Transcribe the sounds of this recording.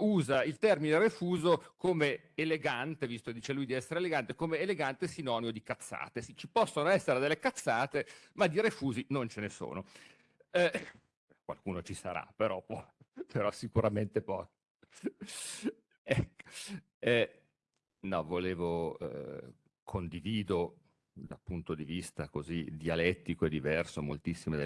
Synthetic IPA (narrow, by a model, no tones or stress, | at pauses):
uːzailt̪ɛrmineɾefuːzokomeː | leɡant̪evist̪oked̪iːt͡ʃelujd̪iɛsːeɾeːleɡant̪ekomeːleɡant̪esinɔniod̪ikat̪sːa̰ːt̪esit͡ʃipɔsːonoɛsːeɾed̪elːekat̪sːaːt̪emad̪ːiɾefuːzinont͡ʃeneso̰ːno | kwa̰lkuːnot͡ʃisa̰ɾa̰pːeɾɔpɔpeɾɔsikuɾament̪epɔ | ɛkː | ɛ | nɔvoleːvo | kʰond̪iviːd̪o | d̪alpunt̪od̪ivist̪akozid̪ialɛt̪ːikoɛd̪ːivɛrsomo̰lt̪isːimed̪e